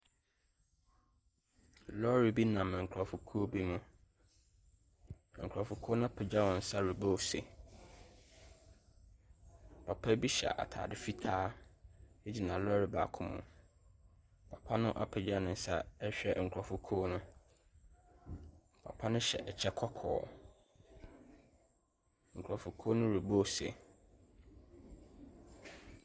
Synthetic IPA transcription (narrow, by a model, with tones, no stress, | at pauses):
lɔ˦ɾi˨bi˦nã˨m̃˨ŋ̩˨kʰʊ˨ɾɔ˨fʊ˨kʰu˦o˦bi˦mʊ̃˦˨ | ŋ̩˨kʰɾɔ˨fʊ˨kʰu˦nʊ̃˦a˦pʰɪ˨d͡ʑa˦wɔ̃˨n̩˨˦sa˦ɾu˨bo˦sḛ˨ | pʰa˨pʰa˦bi˦ɕɛ˨a̰˨ʔa̰˨tʰa̰ː˨dɪ˨fi˦tʰaː˦ | e˦d͡ʑi˨nã˨lɔ˦ɾi˨ba̰ː˨kʰʊ̃˦mʊ̰̃˨ | pʰa˨pʰa˦nʊ̃˦ʔa̰˨pʰɪ˨d͡ʑa˦nʊ̃˨n̩˨˦sa˦ɛ˦ɕᶣɛ̰˨ŋ̩˨kʰɾɔ˨fʊ˨kʰoː˦nʊ̃˦ | pʰa̰˨pʰa˦nʊ̃˦ɕɛ̰˨ʔɛ˨t͡ɕʰɛ˦kʰɔ˦kʰɔː˨ | ŋ̩˨kʰu˨ɾɔ˨fʊ˨kʰo˦nʊ̃˦ɾu˨bo˦˨sḛ˨